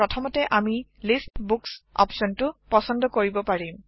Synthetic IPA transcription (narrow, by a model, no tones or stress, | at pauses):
ɹɔtʰɔmɔtɛʔamilistbuksɔ̰psɔntʊpɔsɔndɔkoɹibɔpaɹim